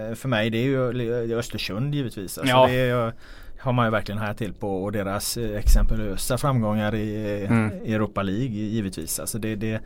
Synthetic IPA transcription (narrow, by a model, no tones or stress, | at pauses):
fœɾmɛjd̪ɛæɾjɵœst̪əʂɵnd̪jiːvət̪viːsa̰lsɔd̪ɛ | haɾmanjɵvæɾklɪɡənhaat̪ʰːɪlpʰɔːd̪eːɾasɛksɛmpəløːsafɾamːɡɔŋːaɾɪ | ɛɾuːpaliːɡjiːvət̪vḭːsa̰lsɔd̪ɛd̪ɛ